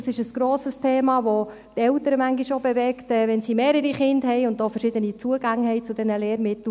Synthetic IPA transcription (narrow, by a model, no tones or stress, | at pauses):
sɪʃəsɡ̥ɾoːsəstʰeːmɑːʋo | t̪ɛltəɾəmæŋɡiʃobevɛktɛːʋɛnsimeːɾəɾiχɪndhɛjʊndofəɾʃɪd̪ənit͡suəɡ̥aŋɦɛɪt͡sʊd̥̪ɛnəleːɾmɪtl